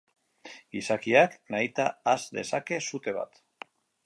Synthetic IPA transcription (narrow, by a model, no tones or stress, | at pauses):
ɡisakiaknajt̪aːzd̪e̞̰sake̞sut̪e̞β̞a̰t̪